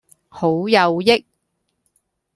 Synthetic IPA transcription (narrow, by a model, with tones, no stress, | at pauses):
ho˨˥wjɐ˨˧wjɪ˥k̚